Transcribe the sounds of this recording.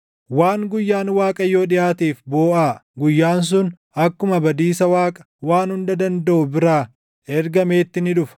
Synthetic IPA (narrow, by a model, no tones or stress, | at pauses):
waːŋɡʊjːaːnwaːkʼɐjːo̞ːᶑɪjaːt̪iːfboːʔaːɡʊjːaːns̬ʊn | ɐkːʊmɐbɐd̪iːsɐwaːkʼɐ̥waːnhʊnd̪ɐd̪ɐnd̪ɐʔʊbɪɾaː | ɛɾɡɐme̞ːt̪ːɪnɪᶑʊfɐ̥